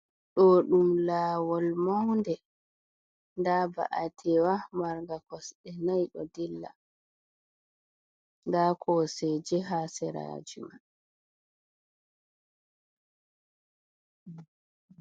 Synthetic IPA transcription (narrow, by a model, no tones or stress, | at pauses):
ɗɔɗumlaːwɔlmawndɛ | ndaːba̰ʔatʰɛwamaɾɡakɔsɗɛnajɗɔdilːa̰ | ndakʰɔsɛd͡ʒɛɦaːsɛɾa̰ːd͡ʒuma